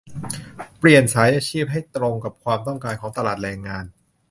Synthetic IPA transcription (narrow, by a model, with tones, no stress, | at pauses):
pli˨˩ənsaː˩˦jʔaː˧t͡ɕʰiː˥˩p̚ɦa˥˩jt̪ɾo˧ŋka˨˩p̚kʰwaː˧mt̪ɔ˥˩ŋkaː˧nkʰɔː˩˦ŋt̪a˧laː˨˩t̪̚ɾɛː˧ŋːaː˧n